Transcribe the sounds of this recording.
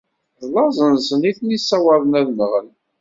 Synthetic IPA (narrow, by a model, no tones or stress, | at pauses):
ðˤlɑzˤənsəniθnisːɑwɑðˤənæðnəʁən